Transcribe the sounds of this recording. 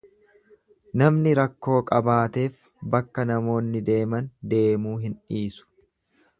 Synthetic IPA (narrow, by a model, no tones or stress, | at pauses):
nɐmnɪɾɐkːo̞ːkʼɐbaːt̪e̞ːf | bɐkːɐnɐmo̞ːnːɪd̪e̞ːmɐnd̪e̞ːmuːɦɪnᶑiːsʊ̥